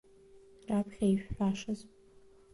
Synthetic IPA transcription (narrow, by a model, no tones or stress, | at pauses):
rapʰχʲajʃᶣħaʂaz